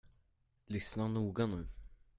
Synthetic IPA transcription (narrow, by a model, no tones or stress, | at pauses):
lʏsnanuːɡanʉ̟ː